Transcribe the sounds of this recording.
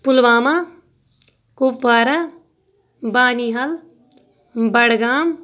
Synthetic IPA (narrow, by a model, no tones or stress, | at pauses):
pʊlʋaːma | kuːpʋaːɾa | baːniɦɐl | bɐɽɡaːm